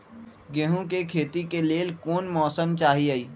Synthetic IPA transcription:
ɡeːɦũkekʰeːt̪ikeleːlkoːnmɔːsəmt͡ʃaːɦiaiː

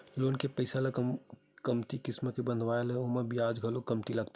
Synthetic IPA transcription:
lonkepəɪsaləkm | kəmt̪ikɪsmkebənd̪ʱʋaelɦɛomebijad͡ʒɡʱəlokəmt̪iləɡt̪a

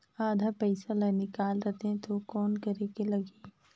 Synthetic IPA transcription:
aːd̪ʱapɛɪsalɐnɪkaːlɾɐt̪eɦɛ̃t̪okɔːnkɐɾeːkelɐɡeː

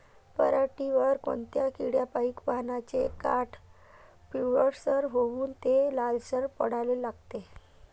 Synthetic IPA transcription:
pəɾaʈiʋəɾko̰ɳt̪jakiɽjapaikʋaɦnat͡ɕekaʈʰ | piʋəɽsəɾɦouːnt̪elalsəɾpə̰ɽ̤alelaɡt̪e

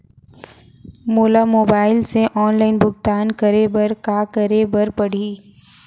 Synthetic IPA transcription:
moːlamoːbaːɪlseʔɔːnlaːɪnbʊɡt̪aːnkəɾebɐɾkaːkəɾebɐɾpɐɽ̤iː

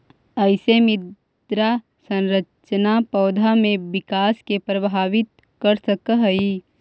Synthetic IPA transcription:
əɪsemɪd | d̪ɾa | sə̃nɾət͡ʃnapɔːd̪ʱamẽʋɪkaːskepɾəbʱaːʋɪt̪̚ | kəɾsəkəɦi

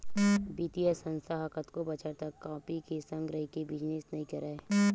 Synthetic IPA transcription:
biːt̪ijasə̃nst̪ʰaɦakət̪kobɐt͡ʃəɾt̪ɐkːãːpikesɐ̃ŋɡɾɐɦikebɪd͡ʒnesnɐɦĩkɐɾaːe

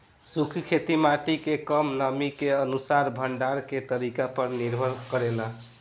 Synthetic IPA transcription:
sukʰkʰet̪imaʈikekəmnəmikeənusaɾbʱəɳɖaɾket̪əɾikapəɾniɾbʱəɾkəɾelə

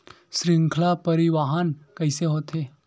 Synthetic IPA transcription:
sɾiŋkʰlapəɾiʋaɦankəjseɦot̪ʰe

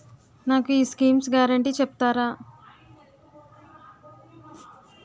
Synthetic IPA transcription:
naːkuiːskiːmsɡaːɾɐɳʈiːt͡ʃɛp̚t̪aːɾaː

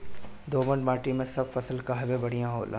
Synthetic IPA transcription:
d̪oːbə̃ɳɖmaːʈimẽsɐbfɐsəlkaɦɐbebɐɽ̤ijãɦo̰ːlʔa̰

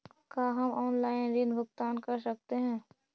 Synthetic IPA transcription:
kaːɦɐmʔɔːnlaːɪnɾinbʱʊɡt̪aːnkɐɾsɐk̚t̪eɦɛ̃ː

